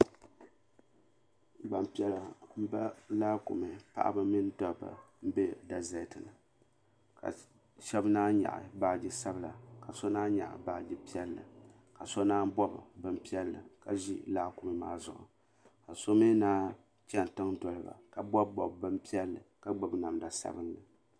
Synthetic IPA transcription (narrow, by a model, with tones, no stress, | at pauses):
ɡ͡ba˨mpi˦ɛ˨la˨m̩˦ba˦laː˦kʊ̰˨mɨ˨pa̰˦ʔa̰˦ba˦mɪ˦n˦dɔ˨ba̰˨m̩˦be˦da˨za˨tɨ˨nɨ˨ | ka̰˨ | ʃɛ˦bnaː˦ɲa̰˨ʔɪ̰˨baː˦˨d͡ʒɪ˦sa˦bɨ˦˨la̰˨ka˨so˦naː˦ɲa̰˨ʔɪ̰˨ba˦˨d͡ʒɪ˦pi˦ɛ˦lːɨ̰˨ | ka˨so˦naː˦n˦bɔ˦bbɨ˦mpi˦ɛ˦lːɨ˨ka˨ʒi˦laː˦ku˨mɨ˨maː˦zʊ˨ʔʊ̰˨ | ka˨so˦mi˦naː˦ | t͡ʃɛ˦n˨tɨ˦ŋdɔ˨lɨ˦ba̰˨ka˨bɔ˦bbɔ˨bbɨ˦mpi˦ɛ˦lːɨ˨ka˦ɡ͡bɨ˨bna˨mda˨sa̰˦bɨ˦nlɨ˨